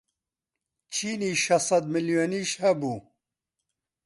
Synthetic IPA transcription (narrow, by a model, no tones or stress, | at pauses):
t͡ʃʰiːniːʃɐsˤɑd̪mɨljoːniːʃhɛbuː